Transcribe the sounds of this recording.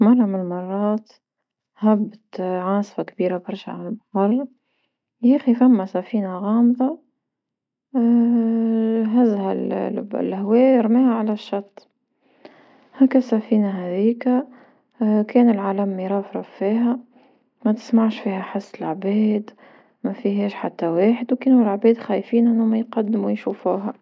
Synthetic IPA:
mɑrˤːɑmɪnmɑrˤːɑːt̪ | hæbːt̪ʕɑːsˤfakbiːɾabɑɾˤʃʕa̰lmfɑrˤ | jæːxifamːæsæfiːnaɣɑːmðˤɑ | ɦæzhæl̰lhwɛːɾmɛːhaʕalæʃːɑt̪ˤː | hæːkæsæfiːnaɦæðiːkæ | kɛːnəlʕaːlæmːiɾˤɑːfɾˤɑffiːɦæ | mæt̪ɪ̥smaʕʃfiːhæħasːəlʕbɛːd̪ | mæfiɦɛːʃħat̪ːæweːħəd̪wkɛːnulʕbɛːd̪xæːjfiːnʔɪnːumæjqɑd̪ːmwjʃuːfuːɦæ

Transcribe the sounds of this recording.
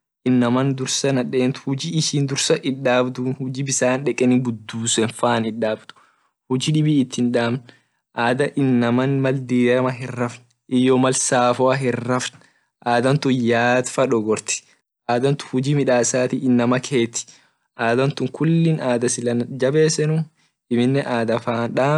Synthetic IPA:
ʔɪnːɐmɐnd̪ʊɾsɐnɐᶑeːnt̪ʊ̥hʊd͡ʒiːɪʃiːnd̪ʊɾsɐʔɪᶑaːbd̪uːnhʊd͡ʒiːbɪsaːnᶑɛkʼɛnɪɡʊd̪ːuːsɛnfaːnɪᶑaːbt̪ʊ̥ | hʊd͡ʒiːᶑɪbiːɪt̪ːɪnᶑaːmn | ʔaːd̪ɐʔɪnːɐmɐnmɐld̪iːɐmɐɦɪrːɐfn | ʔɪjːomɐlsaːfɔwɐɦɪrːɐfn | ʔaːd̪ɐnt̪ʊnjaːd̪fɐᶑɔɡɔɾt̪ɪ̥ | ʔaːd̪ɐnt̪ʊ̥hʊd͡ʒiːmɪᶑaːsaːt̪iːɪnːɐmɐkʰeːt̪ɪ̥ | ʔaːd̪ɐnt̪ʊŋkʰʊlːɪnaːd̪ɐsɪlɐnd͡ʒɐbe̞ːsɛnʊ | ʔɪmɪnːɛʔaːd̪ɐfaːnᶑaː

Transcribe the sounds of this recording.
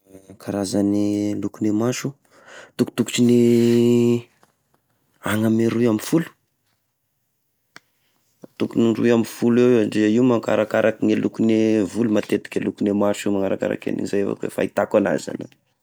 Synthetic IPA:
kʰaɾazanilukunemaʃu | t̪uku̥t̪uku̥t͡ʃini | aŋameɾuamifulu̥ | t̪ukunirṵamifulewaɖ͡ʐezaiumaŋkaɾakaɾʔakiŋelukunevulumat̪et̪i̥kʲalukunemaʃimaŋaɾaka̰ɾa̰ka̰nḭizajafa̰kwḛfa̰it̪akana̰za̰nə

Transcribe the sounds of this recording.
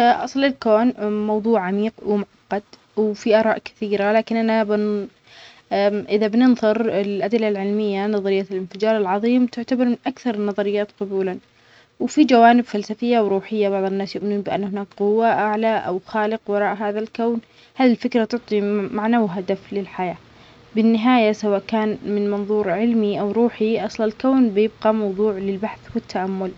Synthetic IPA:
ʔɑsˤlɪlkoːnmɑwðˤuːʕʕamiːqwɪmʊʕɑqːɑd̪ | wfiʔɑːɾˤɑːʔkɪ̥θiːɾalaːkɪnʔanabɪn | ʔɪðabnɪnðˤɨɾɪlʔad̪lːalʕɪlmɪjːanɑðˤɑɾɪjːalɪnfɪd͡ʒɑːɾˤɪlʕɑðˤiːmt̪ɪʕt̪abɑɾˤmɪnʔakθɑɾˤnːɑðˤɑɾɪjːaːt̪qʊbuːlan | wɪfid͡ʒawaːnɪbfalsafɪjːawɾuːħɪjːabɑʕðˤɪnːaːsjʊʔmɪnuːnbɪʔa̰nːhɪnaːkqʊwːaʔaʕlaʔa̰wxaːlɪqwɑɾˤɑːʔɦaːðalkawn | haːðilfɪkɾat̪ʊʕt̪ˤimaʕnawɦad̪aflɪlħajaː | bɪnːɪɦaːjasawaːʔkaːnmɪnmɑnðˤuːɾʕɪlmiʔawɾuːħiʔɑsˤlɑlkawnbɪjɪb̚ɡɑmɑwðˤuːʕlɪlbaħθwɪt̪ːaʔamːʊl

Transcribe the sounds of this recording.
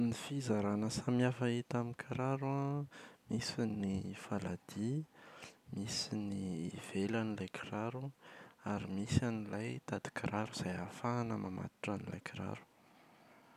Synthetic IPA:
nifizaɾanəsamiafait̪amikʰaɾaɾamisinifalad̪̥i | misiniv̥elanilajkʰiraɾuaɾimisanilajt̪ad̪̥i̥kʰiɾaɾuz̥ajafanəmʔama̰t̪u̥ʈ͡ʂanila̰jkʰiɾa̰ɾu̥

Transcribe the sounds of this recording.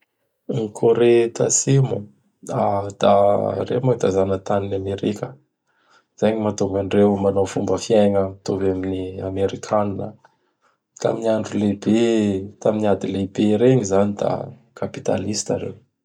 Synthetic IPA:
nikʰoɾet̪a̰simu | ad̪̥a̰rḛmat̪azanət̪aninameɾikʲə | z̥ajɲimat̪uŋɡaɳɖ͡ʐewmanofumbəfiaŋəmt̪ovaminiameɾikʰaninə̰ | t̪a̰miniaɳɖ͡ʐulebet̪aminiad̪ilebeɾeɲizanid̪a̰ | kʰapi̥t̪a̰list̪a̰ɾḛw

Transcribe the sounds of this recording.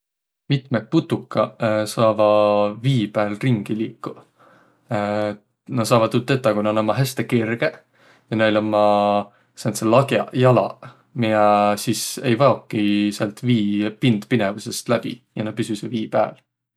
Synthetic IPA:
mit̪mek̚put̪ːukːɑsɑːvɑviːpæːlriŋɡ̥iliːkːu | nɑsɑːvɑd̪ut̪ːˑet̪ːˑɑkunɑnomːɑɦest̪ekirɡ̥e | jɑnelomːɑ | sɑnselɑɡjɑjɑlɑ̰ | miesise̞̰jvɑokːiselt̪viːpind̪̥pinevuse̞st̪læb̥ḭjɑnɑpysyseviːpæ̰ːl

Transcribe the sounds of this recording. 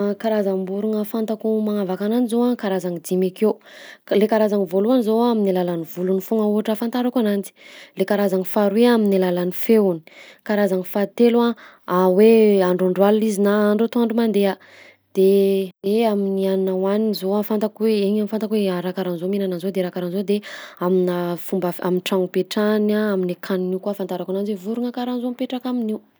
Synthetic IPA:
kaɾazambuɾuŋəfant̪akumaŋavakananizowakaɾazaŋid̪imakewlekaɾazaŋivoluanizoaminilalanivulunifuŋəuɦaʈ͡ʂəfant̪aɾakanant͡si̥lekaɾazaŋifaɾweaminilalanifeuni̥kaɾazaŋifat̪elua | aweaɳɖ͡ʐaɳɖ͡ʐwaluizinaaɳɖ͡ʐot̪oaɳɖ͡ʐumand̪eə | d̪̥eeaminiannawanizoafant̪akweeɲamifant̪akweaɾakaɾanzominanazod̪eɾakaɾanzod̪eaminafumbəaminʈ͡ʂaŋpeʈ͡ʂanaaminakʰaniniukuafant̪aɾakananzwevuɾuŋakaɾanzoampeʈ͡ʂakaminiw

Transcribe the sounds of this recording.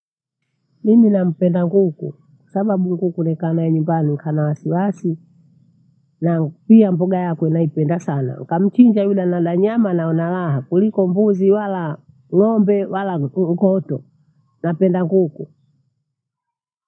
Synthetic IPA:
nininam̩pɛndaŋɡukṵ | kwḁsaɓaɓuŋɡukunɛkanaɛɲumbaniŋkʰanawasiwasi | napiambɔɡajakwɛnaipɛndasana̰ŋkam̩t͡ʃiɲd͡ʒajulanaɗaɲamanaɔnalaɦakulikɔmbuziwala | ŋɔmbɛwalaŋ̩kɔtɔ | napɛndaŋɡuku

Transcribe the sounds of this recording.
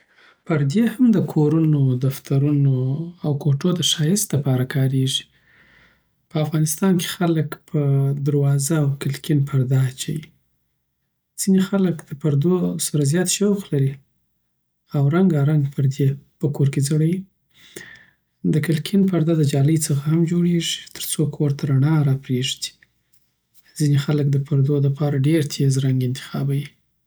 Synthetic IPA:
pəɾd̪ehamd̪əkʰoɾunod̪aft̪aɾunoawkoʈod̪əʃɑjɪst̪lapɑɾakʰɑɾeʒi̥ | pəafɣɑnɪst̪ɑnke̥xaləkpʰəd̪aɾwɑzaːwkɪlkinpʰaɾd̪ɑt͡ʃawi | z̥inexaləkd̪̥əpaɾd̪osaɾazjɑt̪ʃawxlaɾi | awɾaŋɡaɾaŋɡpʰəɾd̪epəkoɾked͡zaɽawi | d̪əkɪlkʰinpaɾd̪ɑd̪əd͡ʒɑləjt͡səxahamd͡ʒoɽeʐi̥t̪ʰə̥ɾt͡sokʰowaɾt̪ʰaɾaɳɑɾɑpɾeʐd̪i̥ | zinexalək̚d̪əpaɾd̪oləpɑɾaɖeɾt̪ʰezɾaŋɡɪnt̪ɪ̥xɑ̰bawi

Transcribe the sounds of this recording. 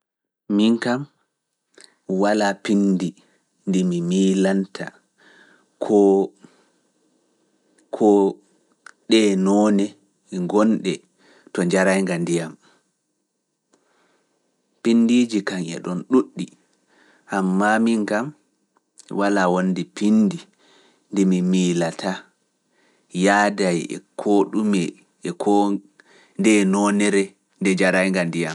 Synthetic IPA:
miŋkam | walapindi | ndimimiːlantʰa̰ | kʰɔ | kʰɔ | ɗɛnɔːnɛ | ɛŋɡɔnɗɛ | tɔɲd͡ʒaɾajŋɡandijam | pindid͡ʒikaŋɛ̰ɗɔnɗuɗːi | ʔamːamiŋɡam | walawondipindi | ndɛmimiːlatʰa | jaːdajɛ̰kʰoɗumɛ | ɛkʰɔ | ndɛnɔnɛɾɛ | ndɛd͡ʒaɾajŋɡandijam

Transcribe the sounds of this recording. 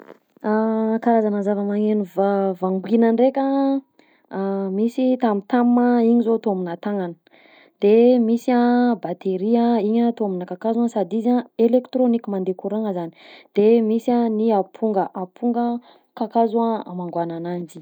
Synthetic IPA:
akaɾazanəzavəmaŋenivavaŋɡwinəɳɖ͡ʐekʲə | misit̪amit̪amməiɲizoat̪oaminat̪aŋanə̥ | d̪̥emisiabat̪eɾiəiɲaːt̪oaminəkakazansad̪izaelekt̪ɾonikimand̪ekuɾaŋəzani̥d̪̥emisaniapʰuŋɡəʔapʰuŋɡə | kakazuaamaŋɡwananand͡ʒi̥

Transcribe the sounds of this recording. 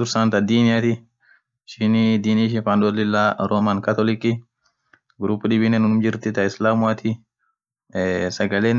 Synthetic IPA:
ʊɾsant̪ɐd̪iːnɪjat̪ɪ | ʃɪnid̪iːniːʃ̬ɪnfand̪ɔlɪlːaːɾʔoːmankɐt̪ɔlɪkːɪ | ɡɾuːpːʊᶑɪbɪnɛnʊnʊmd͡ʒɪɾt̪ɪt̪ɐɪslaːmʊɐt̪ʰɪ | sɐɡɐleːn

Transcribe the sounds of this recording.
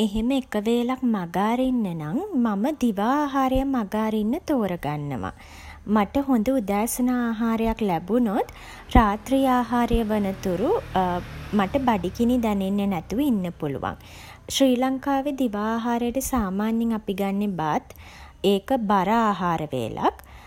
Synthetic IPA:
eɦeməekəʋeːlak̚maɡaːɾeinːənaŋmaməd̪iʋaːaːɦaːɾəjəmaɡaːɾinːət̪oːɾəɡanːə̰ʋa̰ | maʈəɦond̪uud̪aːsənaːɦaːɾəjaklæbunot̪ | raːt̪rijaːɦaːɾəjəʋənət̪uɾu | maʈəbaɖikinid̪ɛnenːənɛt̪uʋəinːəpulṵʋa̰ŋ | ʃɾiːlaŋkaːʋed̪iʋaːɦaːɾəjəʈəsaːmaːnjiŋapiɡanːebat̪ | eːkəbaɾaaːɦaːɾəʋḛːlʔa̰k

